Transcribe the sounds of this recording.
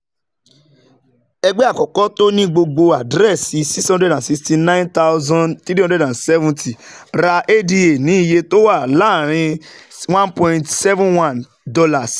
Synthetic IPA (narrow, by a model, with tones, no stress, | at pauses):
ɛ˧ɡ͡bɛ˦a˦˨kɔ˨kɔ˨˦to˦nĩ˦ɡ͡bo˧ɡ͡bo˧a˨dɾɛ˦˨si˨˦si˦shɔ̃˦dɾɛ˨dã˨si˧ksti˧nã˦ĩ˦nta˦ʊ˦zɔ̃˦nti˦ɾĩ˦dɾɛ˨dã˨nsɛ˦vũ˦nti˨ɾa˧ʔe˦di˧e˨nĩ˨˦i˦˨je˧to˦wa˦˨la˦˨ɾ̃ĩ˧wã˦npɔ̃˧ĩ˨ntsɛ˦vũ˦nwã˦n | dɔ˧la˨s